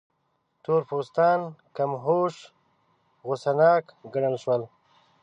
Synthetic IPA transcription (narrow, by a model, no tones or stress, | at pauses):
t̪oɾpoːst̪ɑːnkamɦoʂ | ɣosanɑːkɡaɳəlʃwəl